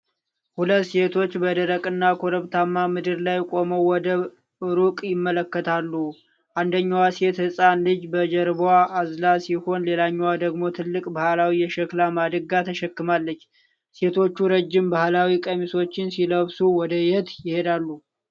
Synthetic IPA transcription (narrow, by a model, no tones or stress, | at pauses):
hulət̪ːse̞t̪ʰo̞t͡ʃːbəd̪əɾəkʼɨnːakʰo̞ɾəβt̪ʰamːamɨd̪ɨɾlajkʷʼo̞məwwɔd̪ə | ɾukʼjɪmːələkːət̪ʰalːu | ʔand̪əɲːawaset̪hɨsʼanlɨd͡ʒbəd͡ʒəɾbaːzlasiho̞nle̞laɲːwad̪əɡmo̞t̪ʰɨlːɨkʼbahlawijɛʃɛklamad̪ɨɡat̪ʰəʃɛkːɨmalːət͡ʃː | se̞t̪ʰo̞t͡ʃːuɾəd͡ʒːɪmbahlawikʼəmiso̞t͡ʃːɪnsiləβsuwɔd̪əjɪht̪jɪhe̞d̪alːu